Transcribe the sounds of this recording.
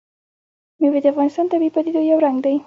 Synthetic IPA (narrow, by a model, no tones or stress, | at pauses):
mewed̪ɪafɣɑnɪst̪ɑnt̪abipad̪id̪ojawɾaŋɡd̪aji